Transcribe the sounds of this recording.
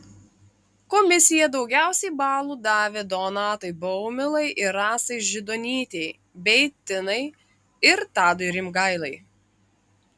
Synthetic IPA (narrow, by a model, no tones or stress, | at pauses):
kɔːmʲɪsʲɪjɛd̪ɒʊɡʲæˑʊsʲɛɪbɑːlˠuːd̪ɑːʋʲed̪oːnɑːt̪ɐɪbɔʊmʲɪlˠɐɪʔɪɾɑːsɐɪʒʲɪd̪ɔːnʲiːt̪ʲɛɪ | bʲɛɪt̪ʲɪnɐɪ | ɪɾt̪ɑːd̪ɔɪɾʲɪmɡɐɪlˠɐɪ